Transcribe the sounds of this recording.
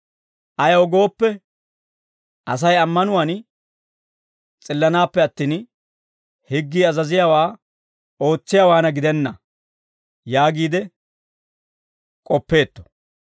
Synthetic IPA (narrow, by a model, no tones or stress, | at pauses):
ʔɐjɐwɔɡo̞ːpːɛ | ʔɐs̬ɐjɐmːɐnʊwan | t͡sʼɪlːɐnaːpːɛɐt̪ːiːn | hɪɡːiːɐzɐzɪjaːwaː | o̞ːt͡sːɪjaːwaːnɐɡɪd̪ɛnːɐ | jaːɡiːd̪ɛ | kʼɔpːe̞ːt̪ːɔ̥